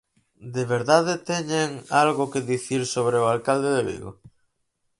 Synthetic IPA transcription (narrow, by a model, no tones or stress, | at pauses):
d̪eβeɾðaðet̪ɛɲeŋalɣʊkeðiθiɾsoβ̞ɾeʊalkald̪eðeβḭɣo̰